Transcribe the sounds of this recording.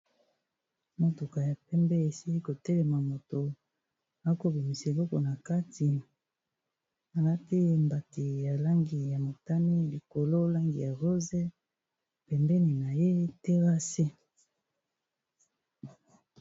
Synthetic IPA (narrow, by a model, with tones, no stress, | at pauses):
mo˨tu˨ka˨ja˨pɛ˦mbɛ˦e˨si˦i˦ko˨tɛ˦lɛ˨ma˨mo˨to˨ | a˦ko˦bi˨mi˨se˨lɔ˦kɔ˨na˨ka˦tʰi˨ | a˨la˦ti˦e˦mba˨ti˨ja˨la˦ŋɡi˨ja˨mo˨ta˦ni˦li˨ko˨lo˦la˦ŋɡḭ˨ja˨ʁo˦ze˦ | pɛ˨mbɛ˦ni˨na˨je˦te˦ʁa˦se˦